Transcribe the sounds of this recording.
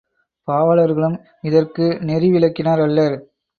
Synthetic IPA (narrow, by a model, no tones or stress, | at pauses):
paːʋɐlɐɾɣɐɭɯm | ɪðɐrkɯnɛɾɪʋɪlɐkːɪnaːɾɐlːɐɾ